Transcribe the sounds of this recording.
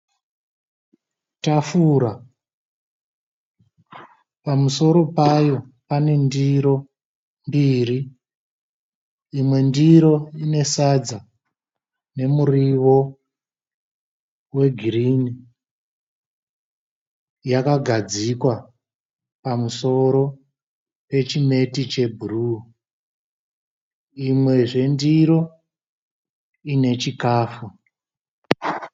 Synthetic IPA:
tafuɾa | pamuso̞ɾo̞pajo̞ | pane̞ndiɾo̞ | mbiri | mwe̞ndiɾo̞ine̞sad͡za | ne̞muriʋo̞ | we̞ɡʱirini | jakaɡʱad͡zikwa | pamuso̞ɾo̞ | pe̞t͡ʃime̞tit͡ʃe̞bʱuruː | imwe̞ʐe̞ndiɾo̞ | ine̞t͡ʃikaːfu

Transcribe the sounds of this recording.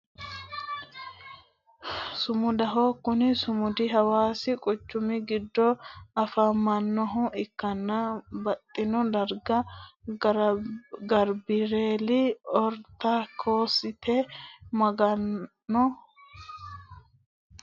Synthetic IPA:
sʊmʊd̪ɐɦoːkːʊnɪsʊmʊd̪ɪɦɐwaːsɪkʼʊt͡ʃːʊmɪɡɪd̪ːɔɐfamːɐnːɔɦʊɪkːɐnːabɐt̪ʼːɪnɔd̪ɐɾɡɐ | ɡɐɾbɪɾeːlɪɔɾt̪akʰo̞ːsɪt̪ɛmɐɡɐnː | ɔ

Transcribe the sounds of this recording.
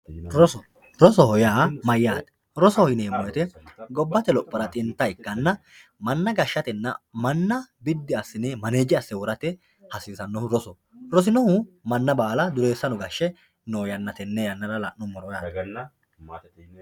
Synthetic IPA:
ɾɔɔ | ɾɔsɔhɔjaːmɐjːaːt̪ɛ̥ | ɾɔsɔhɔhɪneːmɔjɛt̪ɛɡɔbːɐt̪ɛlɔpʼːɪɾɐt̪ʼɪnt̪ːɐɪkːɐnːɐ | mɐnːɐɡɐʃːɐt̪ɛnːɐ̰mɐnːɐbɪd̪ːɪɐsːɪnemɐneːd͡ʒɪɐsːɛwɔɾɐt̪ɛ | hɐsɪːsɐnːɔhʊɾɔsɔ | ɾɔs̬ɪnɔhʊmɐnːɐbaːlɐd̪ʊɾe̞ːsːɐnɔɡɐʃːɛ | noːjɐnːɐt̪ɛnːɛjɐnːɐɾɐlɐ̰ʔnɔmɔɾɔja̰ː

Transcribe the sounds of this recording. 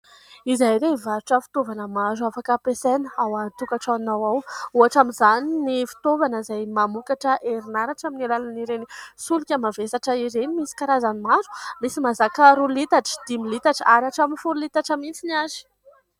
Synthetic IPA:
izajɾeivaɾuʈ͡ʂəfi̥t̪ovanəmazuafakəpesanəawat̪ukaʈ͡ʂanawawuaʈ͡ʂaminzaninifi̥t̪ovanəizajmamukaʈ͡ʂəʔeɾinaɾaʈ͡ʂaminalananiɾenisulukʲəmavesaʈ͡ʂəiɾenimisi̥kaɾazanimazu̥misimazakəɾulit̪aʈ͡ʂə̥d̪̥imilit̪aʈ͡ʂəaɾaʈ͡ʂaminifululit̪aʈ͡ʂəmit͡sinazi̥

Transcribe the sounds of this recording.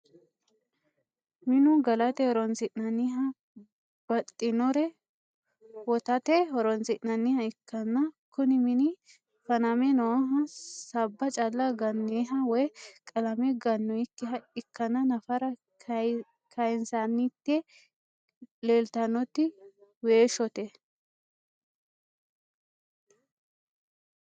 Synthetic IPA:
mɪnʊɡɐlɐt̪ɛhɔɾɔnsɪʔnɐnɪɦɐ | b̥ɐt̪ʼːɪnɔɾɛ | wɔt̪ɐt̪ɛɦɔɾɔnsɪʔnɐnːɪhɐɪkːɐnːɐkʊnɪmɪnɪ | fɐnɐmɛnɔɔɦɐsɐbːɐt͡ʃʼɐlːɐɡɐnːiɦɐwɔjkʼɐlɐmɛɡɐnːɔɪkːɪɦɐɪkːɐnːɐnɐfɐɾɐ | kʰɐjnsanːɪt̪ːɛ | leːlt̪ɐnːɔt̪ːɪweːʃɔt̪ɛ

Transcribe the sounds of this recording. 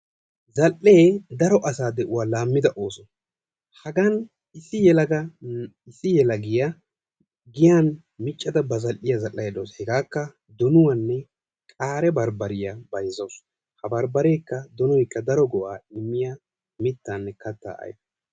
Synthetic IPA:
zɐlʔːeːd̪ɐɾɔʔɐsaːd̪ɛʔʊwaːlaːmːɪd̪ɐʔoːsɔn | hɐɡɐn | ɪsːɪjɛlɐɡɐ | ɪsːɪjɛlɐɡɪjɐ | ɡɪjan | mɪt͡ʃʼːɐd̪ɐbɐzɐlʔːɪjɐzɐlʔːɐjɐd̪oːshɛɡaːkːɐ | d̪ɔnʊwɐnːɛ | kʼaːɾɛbɐɾbɐɾɪjabɐjzoːs | hɐbɐɾbɐɾe̞ːkːɐd̪ɔnɔjkːɐd̪ɐɾɔɡɔʔaːɪmːɪja | mɪt̪ːanːɛkɐt̪ːa̰ːʔɐ̰j

